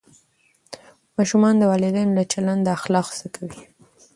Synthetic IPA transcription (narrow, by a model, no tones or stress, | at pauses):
mɑʃumɑnd̪əwɑlɪd̪ajnolat͡ʃaland̪aaxlɑxz̥əkʰawi